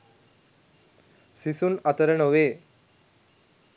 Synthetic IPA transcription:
sisuːnat̪əɾəɳoʋe

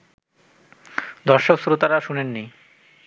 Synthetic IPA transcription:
d̪ɔɾʃoksɾut̪aɾaʃunenːi

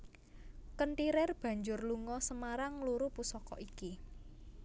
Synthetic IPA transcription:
kənʈiɾɪrb̥a̤ɲd͡ʒʊrluŋɔsəmaɾaŋluɾupusɔkɔ̰ʔiki

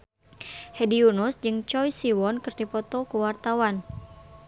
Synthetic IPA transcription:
hɛdiunusd͡ʒɨŋt͡ʃɔjsiwɔnkɨrdipɔt̪ɔkuwart̪awan

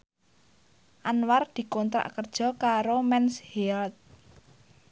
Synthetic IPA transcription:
ʔanward̪̥i̤kont̪ɾa̰ʔkərd̥ʒ̥ɔ̤kaɾomɛnshilt̪̚

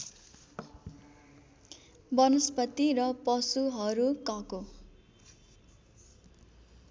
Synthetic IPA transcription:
bʌnʌspʌt̪irʌpʌsuɦʌɾukʌko

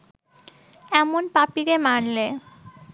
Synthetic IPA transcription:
ɛmonpapiɾemaɽle

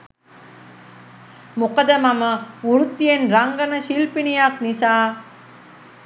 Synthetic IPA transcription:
mukəd̪əmaməuɾut̪ːijenɾaŋɡənəʃilpinijaknisaː

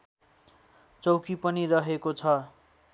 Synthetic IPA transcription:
t͡sʌwkipʌnirʌɦekot͡sʰʌ

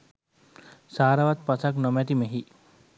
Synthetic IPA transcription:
saːɾaʋat̪pasaknɔmɛt̪imeɦi

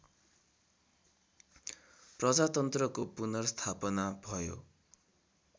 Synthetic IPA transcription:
prʌd͡zat̪ʌnt̪rʌkopunʌrst̪ʰapʌnabʱʌjo̰

